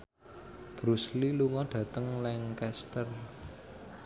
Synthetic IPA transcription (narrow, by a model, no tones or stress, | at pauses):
b̥ɾusliluŋɔdɖ̥ä̤t̪əŋlɛŋkɛst̪ər